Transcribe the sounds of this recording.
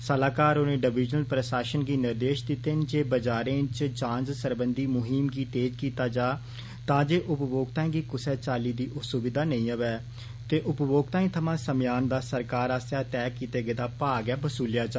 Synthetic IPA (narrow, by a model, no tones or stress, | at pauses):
səlaːkaːɾoːnẽːɖəʋɪːd͡ʒnəlpɾəsaːʃənɡiːnɪɾd̪eːʃd̪ɪt̪ːeːnd͡ʒeːbəd͡ʒaːɾẽːt͡ʃt͡ʃãːnd͡ʒsəɾbənd̪iːmʊɦiːmɡiːt̪eːd͡ʒkiːt̪aːd͡ʒaː | t̪ãːd͡ʒeːʔʊpboːɡt̪ãːĩːɡiːkʊsɛːt͡ʃaːliːd̪iːʔʊsubɪd̪aːnə̃ĩːəʋɛː | t̪eːʔʊpboːɡ̚t̪ãːĩːt̪ʰəmãːsəmjaːnd̪aːsəɾkaːɾaːsjaːt̪ɛːkiːt̪eːɡeːd̪aːpaːɡɛːbəsuːlɪjaːd͡ʒaː